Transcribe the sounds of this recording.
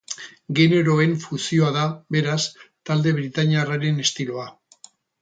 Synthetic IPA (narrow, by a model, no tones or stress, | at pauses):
ɡe̞ne̞ɾo̞e̞ɱfusio̞aðaβe̞ɾast̪ald̪e̞βɾit̪aɲiaraɾe̞ne̞st̪iloa